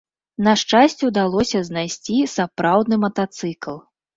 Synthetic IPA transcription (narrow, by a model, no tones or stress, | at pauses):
nɐʂt͡ʂasʲt͡sʲɛwd̪alˠɔsʲɐznajsʲt͡sʲisapɾawd̪nɨmɐt̪at̪sɨklˠ